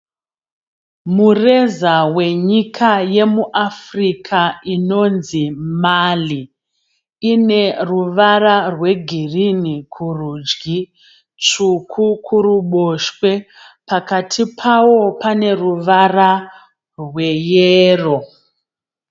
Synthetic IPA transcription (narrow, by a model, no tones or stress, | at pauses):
mure̞zawe̞ɲikʰaje̞muʔafrikʰaino̞nzimali | ine̞ruʋararwe̞ɡʱirinikʰurud͡ʒɡi | t͡ʂukʰukʰuɾuɓo̞ʃwe̞ | pakatʰipʰawo̞pane̞ruʋara | rwe̞jeːro̞